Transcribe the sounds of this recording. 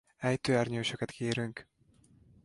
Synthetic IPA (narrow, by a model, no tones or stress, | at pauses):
ɛjt̪øːɛrɲøːʃøkɛt̪kʰeːɾyŋk